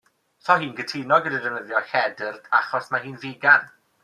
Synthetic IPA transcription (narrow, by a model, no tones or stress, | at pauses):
sʰɔɦiːnɡətʰinɔɡədidəvnəðjɔhɛdərdʰaχɔsmaɦiːnviːɡan